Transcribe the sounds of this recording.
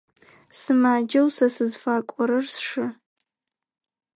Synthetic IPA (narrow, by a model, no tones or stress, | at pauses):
sɨmaːd͡ʒɐwsasɨzfaːkʷʼɔɾɐrsʂɨ